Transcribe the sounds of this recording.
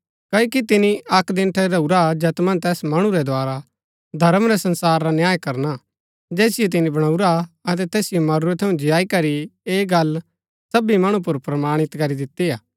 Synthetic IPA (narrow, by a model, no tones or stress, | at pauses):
kɐːoːkit̪ɪniʔɐkd̪ɪ̃nʈʰɛɾɐuɾad͡ʒɛːt̪mɐ̃nt̪ɛːsmɐɽ̃ũɾɛd̪oaːɾa | d̪ʱɐɾəmɾɛsɐ̃nsaːɾːanjaːjkɐɾna | d͡ʒɛːsɪjot̪̬ɪnĩbɐɽ̃ɐuɾaɐt̪̬ɛt̪ɛːsɪjomɐɾuɾɛt̪ʰɐũd͡ʒɪjaːikɐɾieːɡɐl | sɐbimɐɽ̃ũp̬ʊɾpɾɐmaːɽ̃ɪt̪kɐɾid̪ɪt̪ːiaː